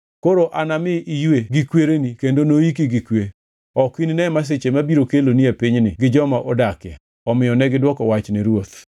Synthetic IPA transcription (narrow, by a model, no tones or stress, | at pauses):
koɾoʔanamɪʔijeɡikweɾenikendonoik̬iɡikwe | ɔkwininɛmas̬et͡ʃemabiɾokeloniapiɲnɪɡɪd͡ʒɔmaʔɔdakɪja̰ | ɔmɪjɔnɛɡɪdwɔkɔwat͡ʃniɾwot̪